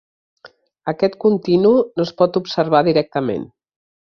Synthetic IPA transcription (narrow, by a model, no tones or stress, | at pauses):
əkɛt̪kunt̪inunoəspɔt̪upsəɾβ̞aðiɾɛk̚t̪əmḛn